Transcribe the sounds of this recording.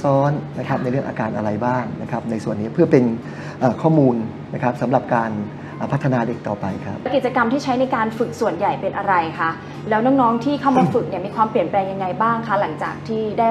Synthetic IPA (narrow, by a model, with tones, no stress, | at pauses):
sɔː˦˥nna˦˥kʰa˦˥p̚na˧jɾɯ˥˩əŋʔaː˧kaː˧nʔa˧ɾa˧jbaː˥˩ŋna˦˥kʰɾa˦˥p̚na˧jsu˨˩ənːiː˦˥pʰɯ˥˩ɐpe˧n | ʔaː˨˩kʰɔː˥˩muː˧nː | a˦˥kʰɾa˦˥p̚sa˩˦mɾa˨˩p̚kaː˧n | ʔːpʰa˦˥t̪ʰːa˧naː˧le˦˥k̚t̪ɔː˨˩pa˧jkʰɾa˦˥p̚ki˨˩t̪̚t͡ɕa˧ka˧mt̪ʰiː˥˩t͡ɕʰa˦˥jna˧jkaː˧nfɯ˨˩k̚su˨˩ənja˨˩jpe˧nʔa˧ɾa˧jkʰa˦˥˩ | lɛː˦˥wnɔː˦˥ŋnɔː˦˥ŋt̪ʰiː˥˩kʰa˥˩wmaː˧fɯ˨˩k̚ni˥˩miː˧kʰwaː˧mpli˨˩ənplɛː˧ŋja˧ŋːa˧jbaː˥˩ŋkʰa˦˥la˩˦ŋt͡ɕaː˨˩k̚t̪ʰiː˥˩daː˥˩